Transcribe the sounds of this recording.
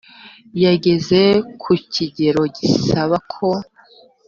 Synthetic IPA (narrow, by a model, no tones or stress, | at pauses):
jaɟe̞ze̞kʰuciɟe̞ɾo̞ɟisaβakʰo̞